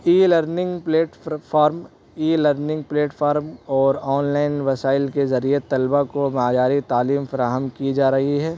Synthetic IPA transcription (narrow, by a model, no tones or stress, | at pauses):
iːləɾnɪ̃ŋɡpleːʈfʰaːɾm | iːləɾnɪ̃ŋɡpleːʈfʰaːɾmɔːɾɔːnlaːɪnʋɐsaːɪlkezɐɾiet̪ɐlbakomaːd͡ʒaːɾit̪aːliːmfɐɾaːɦəmkid͡ʒaːɾɐɦiɦɛː